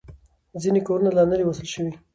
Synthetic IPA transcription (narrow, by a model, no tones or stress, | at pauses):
zinekoɾunalɑnəɾiwasəlʃəwi